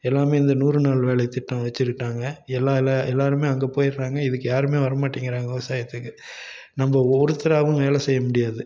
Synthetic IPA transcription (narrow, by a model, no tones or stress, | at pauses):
ɛlːaːmeːɪnd̪ɐnuːrɯnaːlʋeːɭɐɪt̪ːɪʈːɐ̃ʋɐt͡ʃːɪɾʈːaːŋɡɐɛlːaːlaɛlːaːɾɯmeːɐŋɡepoːjɪɾɾaːŋɡɐɪðɯkːɯjaːɾɯmeːʋɐɾɐmaːʈːiŋɡɪɾaːŋɡɐʋɪʋɐsaːjɐt̪ːɯkːɯ | nɐmbɐɔɾɯt̪ːɪɾaːʋɯ̃ʋeːlɐsɛjːɐmʊɽɪjaːðɯ